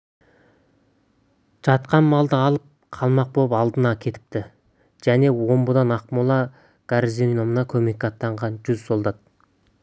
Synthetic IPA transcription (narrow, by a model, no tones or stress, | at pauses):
ʒ̥ɑt̪qɑnmɑlˠd̪əɑlˠəp̚ | qʰɑlˠmɑq̚bopɑlˠd̪ənɑkʲʰe̞t̪ɪ̥p̚t̪ɪ | ʒ̥æne̞wo̞mbəd̪ɑnɑqmulˠɑ | ɡ̥ɑɾizinno̞mnɑkʲʰɵme̞kːɑt̪ːɑɴʁɑnʒʏz̥so̞lˠd̪ɑt̪̚